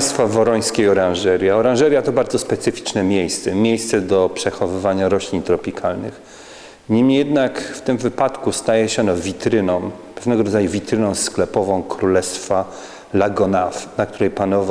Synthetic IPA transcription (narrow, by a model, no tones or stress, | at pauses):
st̪favɔɾɔj̃skʲejɔɾãnʐɛɾʲjaɔɾãw̃ʐɛɾʲjat̪ɔbaɾd̪zɔspɛt̪sɘfʲi̥t͡ʂnɛmʲjejst̪sɛmʲjejst̪sɛd̪ɔpʂɛxɔvɘvaɲaɾɔɕlʲiɲt̪ɾɔpʲikʰalnɘ̰x | ɲimɲijɛd̪nakft̪ɘmvɘpat̪kust̪ajɛɕɛɔnɔvʲit̪ɾɘnɔ̃w̃pɛvnɛɡɔɾɔd̪zajuvʲit̪ɾɘnɔ̃w̃sklɛpɔvɔ̃w̃kɾulɛst̪fa | laɡɔnafnak̚t̪uɾɛjpanɔva